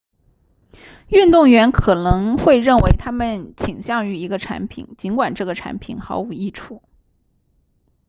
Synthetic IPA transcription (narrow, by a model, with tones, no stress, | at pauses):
y˥˧nt̪ʊ˥˩ŋɥɛ˧˥nkʰɤ˨˩nɤ˧˥ŋxwe˥˧ɪɻə˥˩nwe˧˥ɪt̪ʰa˥mə˨nt͡ɕʰi˨˩ŋɕjɑ˥˩ŋy˧˥i˧˥ɡə˧ʈ͡ʂʰa̰˧˥npʰḭ˨˩˦nt͡ɕi˧˥nkwa˨˩nʈ͡ʂɤ˥˩ɡə˩ʈ͡ʂʰa̰˧˥npʰḭ˨˩nxɑ˧˥ʊu˨˩i˥˩ʈ͡ʂʰu˥˩˦